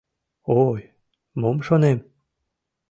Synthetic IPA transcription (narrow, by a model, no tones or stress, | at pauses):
oj | momʃonem